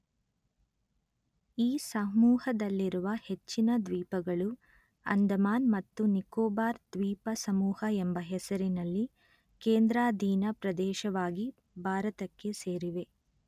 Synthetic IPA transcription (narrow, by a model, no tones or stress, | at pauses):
iːsɐmuːhɐd̪ɐlːiɾuʋɐhe̞t͡ʃːinɐd̪ʋiːpɐɡɐɭu | ɐ̰nd̪ʱɐmaːnmɐt̪ːunikoːbaːɾd̪̥ʋiːpɐsɐmuːhɐɛmbɐɦɛsɐɾinɐlːi | keːnd̪ɾaːd̪ʱiːnɐpɾɐd̪ɛːʃɐʋaːɡi | bʱaːɾɐt̪ɐkːe̞seːɾiʋe̞